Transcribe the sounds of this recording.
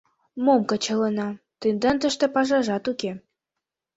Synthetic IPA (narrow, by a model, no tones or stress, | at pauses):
momkɤ̆t͡ɕɤ̆lɤ̆nɑ | t̪ɨnd̪ɑnt̪ə̆ʃt̪ĕpɑʒɑʒɑt̪uke